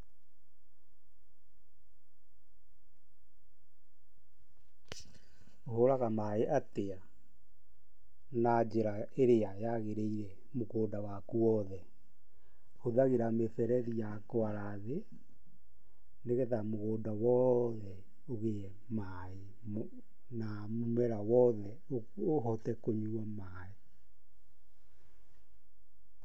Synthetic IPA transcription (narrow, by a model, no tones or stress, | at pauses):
oɦoɾaɣamaeʔatea | nad͡ʑeɾa | eɾeajaɣeɾeiɾɛ | moɣoːdawakuɔðɛ | hoðaɣeɾameθɛɾɛɾijakoaɾaðe | neɣeðamoɣoːdawɔðɛ | oɣe | ma | e | na | momɛɾawɔðɛ | o | oɦɔtɛkoɲuama | e